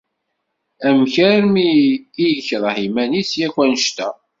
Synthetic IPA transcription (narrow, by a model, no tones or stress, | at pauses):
æmçæɾmiːjəçɾˤhimænisjækʷænʃt̪æ